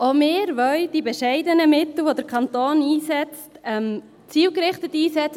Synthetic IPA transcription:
omɪːɾʋœld̥ibɛʃɛɪdənəmɪt̪l̩ˠʋod̪əɾkʰɑnt̪oːniːsɛt͡stɛm | t͡siːlkɾɪχtətiːsɛt͡sə

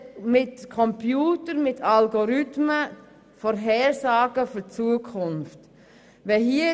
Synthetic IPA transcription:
mɪtkʰɔmpjuːtəɾmɪtʰɑlɡɔɾʏtmə | fɔɾɦɛːɾsɑːɡ̥əfyt͡suːəkʰʊnft | ʋɛhiə

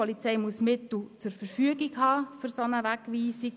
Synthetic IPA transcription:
ɔlit͡sɛɪmuəsmɪt̪l̩t͡sʊɾfəɾfyəɡiɡhɑːfʏɾsonəʋæɡʋiːsi

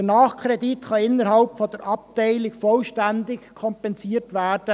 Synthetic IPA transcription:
ənɑːχkʰɾɛditxɑɪnːəɾhɑlpfɔdəɾɑp̚tæɪlɪkfɔlʃtændɪkkʰɔmpɛnsiːəɾtʋæːɾd̥ə

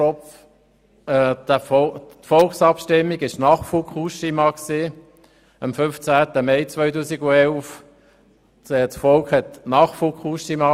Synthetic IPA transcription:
ɔf | ɛɔtfɔlksɑpʃtɪmːiɡɪʃnɑːχfukχuʃimɑksiː | əmfʏnft͡sæːt̪əmɛɪt͡svœʏtuːsiɡuɛlf | ɛsfɔlkχhɛt̪nɑːχfukχuʃimɑ

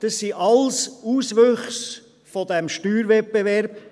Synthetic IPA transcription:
d̪̥əsːiʔɑlsuːsʋøχs | fod̪ɛmʃtyːɾvɛt̚bevɛɾb̥

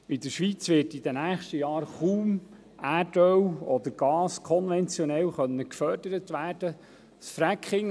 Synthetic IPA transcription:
ɪdəʃʋit͡sʋɪtid̥ənæːχʃtəjɑːɾχuːm | ædœwɔd̪əɾɡ̥ɑːskʰɔnvɛnt͡sjɔnɛlχœnːəkfœrd̥əɾətʋæːɾd̥ə | sfɾækχɪŋ

